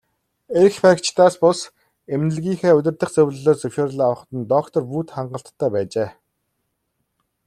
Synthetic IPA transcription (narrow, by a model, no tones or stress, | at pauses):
exfakt͡ɕt̪aːspʊs | emnɘ̆ɮɣʲiːŋxeːɵt̪ʲɪ̆rt̪ə̆χt͡sɵwʲɮɮoːsɵwʃoːɾɮːawə̆χ̆t̪ə̆nt̪ɔkt̪ʰɞ̆rpuːt̪χaɴɢə̆ɬt̪ːæːpæːt͡ɕeː